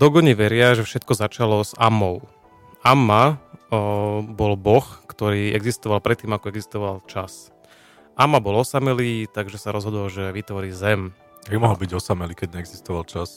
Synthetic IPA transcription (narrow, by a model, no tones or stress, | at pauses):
d̪̥ɔɡɔɲiʋɛɾɪaʒɛfʃɛt̪̚kɔzat͡ʃalɔza̰mːɔʊ | amːa | bɔlbɔxkt̪ɔɾiːɛɡzist̪ɔʋalpɾɛt̪ːiːmakɔɛɡzist̪ɔʋalt͡ʃas | ʔamːabɔlɔsamɛlit̪aɡʒɛsaɾɔzɦɔd̪ɔlʒɛʋit̪ʋɔɾiːzɛm | bimɔɦl̩biɟɔsamɛlikɛɟɲɛɛɡzist̪ɔʋalt͡ʃas